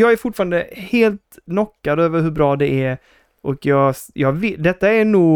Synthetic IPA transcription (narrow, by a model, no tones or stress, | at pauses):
jɑːɡæɾfʊʈːfɑːɾand̪əheːlt̪nɔkːad̪øːvəɾɦɵbɾɑːd̪ɛʔæɾ | ʔɔkjɑːɡjɑːɡvɪd̪ɛt̪ːaænuːɡ